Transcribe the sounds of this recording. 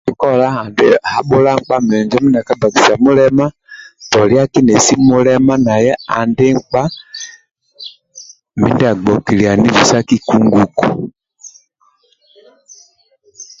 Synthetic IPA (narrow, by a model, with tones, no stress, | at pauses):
i˦kɔ˦la˦a˨ndɛ˦ha˨ɓɔ˦la˦ŋ˦k͡pa˦mɛ˨ɲd͡ʒɔ˦mi˦nda˨ka˦ba˨ki˨sa˨mu˦lɛ˦ma˦ | tɔ˨li˦a˦ki˦nɛ˨si˦mu˦lɛ˦ma˦na˨jɛ˦a˨ndɛ˦ŋ˦k͡pa˦ | mi˦nda˨ɡ͡bɔ˨ki˨li˨a˨ni˦vu˨sa˦ki˦ku˦ŋɡu˨ku˨